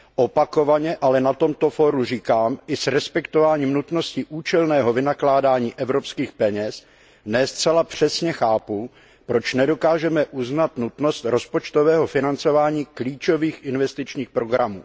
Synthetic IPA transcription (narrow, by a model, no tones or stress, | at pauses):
ʔopako̞vaɲɛʔalɛnat̪o̞mt̪o̞foɾur̝iːkaːmʔɪsɾɛspɛkt̪o̞vaːɲiːmnut̪no̞scɪʔuːt͡ʃɛlnɛːɦo̞vɪnaklaːdaːɲiːʔɛvɾo̞pskiːxpɛɲɛs | nɛst͡sɛlapr̝̥ɛsɲɛxaːpu | pɾo̞t͡ʃnɛdo̞kaːʒɛmɛʔuznat̪nut̪no̞st̪ɾo̞spot͡ʃt̪o̞vɛːɦo̞fɪnant͡so̞vaːɲiːkliːt͡ʃo̞viːxʔɪnvɛst̪ɪt͡ʃɲiːxpɾo̞ɡɾamṵː